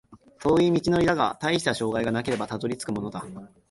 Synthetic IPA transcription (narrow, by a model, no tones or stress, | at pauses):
so̞ːiːmʲit͡ɕino̞iɾaɡa̰t̪aiɕi̥t̪aɕo̞ːɡaiɡanake̞ɾe̞bat̪azo̞ɾʲit͡sɨ̥kɯ̟mo̞no̞d̪a